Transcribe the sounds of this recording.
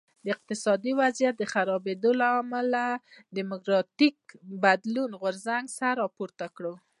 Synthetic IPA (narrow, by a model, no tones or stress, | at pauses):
d̪əɪq̚t̪ɪsɑd̪iwazjat̪̚d̪əxaɾɑbed̪olaamalad̪imʊkɾɑt̪ikbad̪lunɣʊɾzaŋɡsaɾɑpoɾt̪akɽo